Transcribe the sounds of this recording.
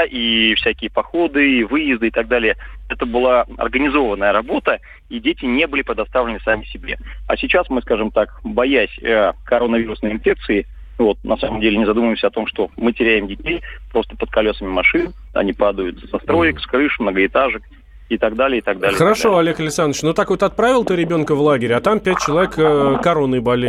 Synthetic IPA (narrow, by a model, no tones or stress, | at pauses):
ʔifsʲækʲɪjəpɐxo̞d̪ɨvɨjɪzd̪ɨɪt̪ɐɡ̚d̪alʲɪjəɛt̪əbɨlˠaɐ̰rɡənʲɪzo̞vənːəjəɾɐbo̞t̪ə | idʲetʲɪnʲe̞bɨlʲɪpɾʲɪd̪ɐst̪avlʲɪnɨsamʲɪsʲɪbʲḛɐ̰sʲɪt͡ɕasmɨskaʐɨmt̪akbɐjæsʲəkɐɾo̞nəvʲiɾʊsnəjɪnfʲe̞k̚t̪sɨɪ | vot̪̚nʔɐsaməmdʲelʲɪnʲɪzɐd̪uməvjɪmsʲəɐt̪o̞mʂt̪o̞mɨtʲɪɾʲæjɪmdʲɪtʲejpɾo̞st̪əpət̪̚kɐlʲo̞səmʲɪmɐʂɨn | ɐ̰nʲipad̪əjʊt̪z̥ɐst̪ɾo̞jɪkskɾɨʂmnəɡəɪt̪aʐɨk | it̪aɡd̪alʲɪjəɪt̪aɡ̚d̪alʲxəɾɐʂo̞ɐlʲe̞kəlʲɪksanːət͡ɕnot̪akvot̪ɐt̪̚pɾavʲɪlˠt̪ɨɾʲɪbʲo̞nkəvlˠaɡʲɪɾʲɪɐt̪ampʲæt̚ʲt͡ɕɪlˠɐvʲekəkːɐɾo̞nːɨjbɐlʲɪ